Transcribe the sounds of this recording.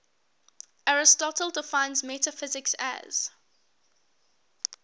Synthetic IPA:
ʔaɹɪstɔtəlˠdɪfãɪ̃nzmɛtəfɪzɪksæ̰z̥

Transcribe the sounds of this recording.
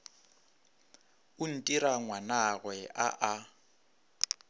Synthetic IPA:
ʊn̩tʼiɾaŋwanaɣwɛʔa̰ʔa

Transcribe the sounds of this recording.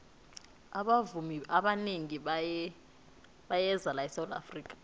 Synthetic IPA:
aɓavumiaɓaneŋiɓajɛ | ɓajɛzalaɛsawd̪ʼa̰friːkʼḁ

